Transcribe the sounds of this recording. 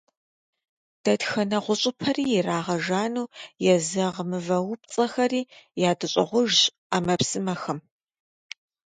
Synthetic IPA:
d̥ɐtxɐnɐʁʷʊɕʼɪpʰɐriːjɛraːʁɐʒaːnuːjɛzɐʁəmɨvɐwʊp̚t͡sʼɐxɐriːjaːdɨɕʼɪ̰ʁʷʊʒɕ | amɐpsɨmɐxɐm

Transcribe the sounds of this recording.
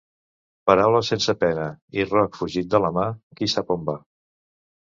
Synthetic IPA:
pəɾawləsensəpɛnəirɔkfuʒit̪̚d̪ələmakisapomba

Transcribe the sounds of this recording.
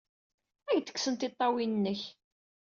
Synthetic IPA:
æʝt̪ə̥ksənt̪ɪt̪ˤːɑwinənːəç

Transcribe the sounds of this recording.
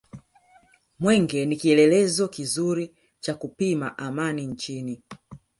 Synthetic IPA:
mwɛŋɡɛnikiɛlɛlɛzɔkizuɾi | t͡ʃakupimaʔamaniɲt͡ʃini

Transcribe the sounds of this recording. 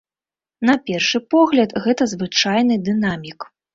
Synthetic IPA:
nɐpʲɛrʂɨpɔɣlʲɐt̪ɣɛt̪ɐzvɨt͡ʂajnɨd̪ɨnamʲik

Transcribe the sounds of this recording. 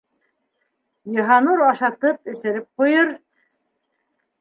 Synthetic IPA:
jɤ̆ɦɑnuɾɑʃɑt̪ɤp̚ɘ̆sɘ̆ɾɘp̚qujɤɾ

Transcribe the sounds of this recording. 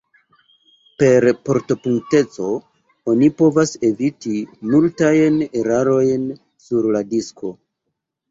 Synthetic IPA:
pe̞ɾpo̞ɾto̞puŋk̚te̞t͡so̞ | o̞nipo̞vase̞vitimultajne̞ɾaɾo̞jn | suɾladisko̞

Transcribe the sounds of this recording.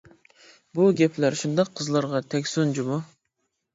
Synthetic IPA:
buɡʲɛpʰlæɾʃund̪ɑqʰːəzlˠɑɾʁɑt̪ʰɛkʲsund͡ʒimu

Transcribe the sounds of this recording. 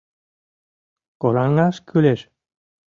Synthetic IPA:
koɾɑŋɑʃkʰyleʃ

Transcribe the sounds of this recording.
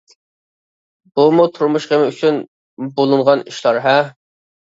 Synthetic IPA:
b̥umut̪ʰuɾmuʃχemɪyt͡ʃʰyn | bolˠuɴʁɑniʃlˠɑɾɦɛ

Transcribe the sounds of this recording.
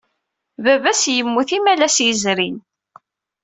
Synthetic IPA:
vævæsjəmːuθimælæsjəzɾin

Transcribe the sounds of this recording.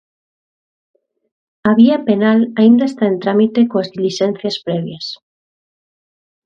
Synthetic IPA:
aβiapenalaind̪aest̪aent̪ɾamit̪ekoazðiliʃen̟θjaspɾeβ̞jas

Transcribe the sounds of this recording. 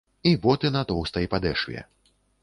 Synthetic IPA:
ibɔt̪ɨnat̪ɔwst̪ɐipad̪ɛʂvʲɛ̰

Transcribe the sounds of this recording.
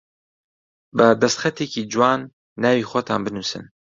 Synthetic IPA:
bɨd̪ɐst̪xɛt̪ʰeciːd͡ʒuwɑːnː | ɑːwiːxʷɔt̪ʰaːnbɨnusɨ̰n

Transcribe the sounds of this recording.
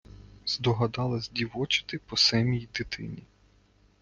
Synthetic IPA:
z̥d̪ɔɦɐd̪ɑlˠɐzʲdʲiʋɔt͡ʃɪ̥t̪ɪpɔsɛmʲijid̪ɪt̪ʰɪ̰nʲi

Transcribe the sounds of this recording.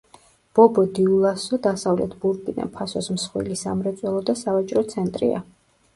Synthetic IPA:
b̥ɔbɔd̪iulˠasɔd̪asavlɛ̰t̪ʰbuɾkʼina̰pʰasɔsmsχwḭlisamɾɛt̪sʼwɛlˠɔd̪asavat͡ʃʼɾɔt̪sʰɛnt̪ʼɾḭa̰

